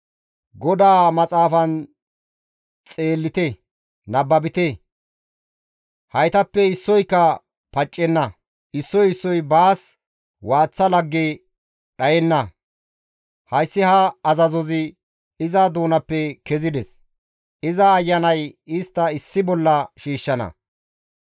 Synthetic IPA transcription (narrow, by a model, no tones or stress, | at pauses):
ɡɔd̪aːmɐt͡sʼaːfɐn | t͡sʼe̞ːlːɪt̪ɛ | nɐbːɐbɪt̪ɛ | hɐjt̪ɐpːɛɪsːɔjkːɐ | pɐt͡ʃʼːɛnːɐ | ʔɪsːɔjɪsːɔjbaːs | waːt͡sːɐlɐɡːe | ɗɐjɛnːɐ | hɐjsːɪhɐːzɐzɔzɪ | ɪzɐd̪uːnɐpːɛkɛzɪd̪ɛs | ɪzɐːjːɐnɐjɪst̪ːɐɪsːɪbɔlːɐʃiːʃːɐnɐ̰